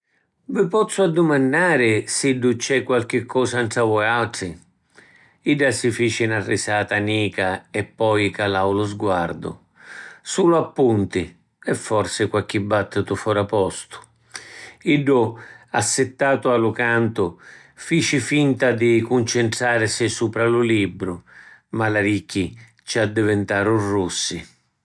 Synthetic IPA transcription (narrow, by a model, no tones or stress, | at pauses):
vɪpɔt̪sːʊad̪ːʊmanːaːɾɪsiɖːʊt͡ʃːɛkːwalk̟ɪkʰːɔːsantɾavɔjalʈ̪ɾɪ | iɖːasɪfiːt͡ʃɪnarːɪsaːt̪aniːkaɛpːɔjkalawlʊzɡwaɾd̪ʊ̰ | suːlʊapːunt̪ɪ | ɛfːɔrsɪkwakːibːat̪ːɪt̪ʊfɔɾapɔst̪ʊ̥ | iɖːʊasːɪt̪ːaːt̪ʊalʊkant̪ʊ | fiːt͡ʃɪfint̪ad̪ɪkunt͡ʃɛnt̪ɾaːɾsɪsuːpɾalʊlibːɾʊmalaɾikːi | t͡ʃad̪ːɪvɪnt̪aːɾʊrːusːɪ